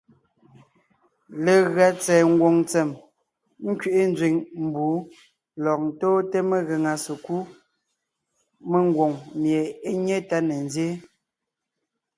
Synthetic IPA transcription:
le˨ɣɰa˨t͡sɛː˨ŋ̩˦ɡwo˨ŋt͡sɛ˨m | ŋ̩˦kɥi˨ʔe˦n˦d͡zɥi˨ŋm̩˨buː˨˦ | lɔ˨k̚n̩˨toː˦te˦me˦ɣe˨ŋa˨se˨ku˦ | me˦ŋ˦ɡwo˨ŋmje˨e˦ɲe˦ta˦ne˨n˦zje˦

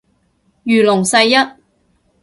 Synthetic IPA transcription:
jyː˨˩lʊ˨˩ŋsɐ˧jːɐ˥t̚

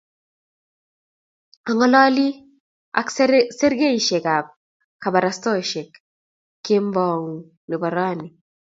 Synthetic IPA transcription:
a˨ŋɔ˦lɔ˦li˦ | a̰kse˦ɾɡe˦i˨ʃe˨ɡa˨b̚ | ka˨ba˨ɾast̪ɔ˦ʃe˨kː | e˦mbɔ˨ŋ | ni˨bɔ˨ɾa˦ni˨

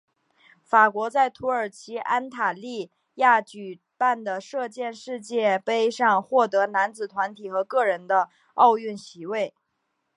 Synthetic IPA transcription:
fa˨˩kwɔ˧˥t͡sa˥˩ɪt̪ʰu˧˥ə˞˨˩t͡ɕʰi˧˥ʔa˥nt̪ʰa˨˩li˥˧ | ja˥˩t͡ɕy˨˩ | pa˥˩nd̪ə˩ʂɤ˥˧t͡ɕjɛ˥˧nʂɻ̩˥˧t͡ɕjɛ˥˩pe˥ɪʂɑ˥˧ŋxwɔ˥˩t̪ɤ˧˥na˧˥nt͡sɹ̩˨˩t̪ʰwa˧˥nt̪ʰi˨˩xɤ˧˥kɤ˥˩ɻə˧˥nd̪ə˧ | ɑ˥˧ʊy˥˩nɕi˧˥we˥˩ɪ

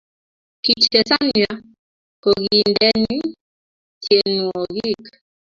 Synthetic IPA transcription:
ki˨t͡ʃtɛ˨sa˦ni˨a˦ | ko˨ɣii˨ndɛ˦ni˦ | tʰje˨nu˨ɔ˨ɣi˦˨k

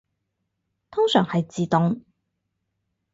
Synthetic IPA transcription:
t̪ʰʊ˥ŋsœː˨˩ŋhɐ˨jt͡siː˨t̪ʊ˨ŋ

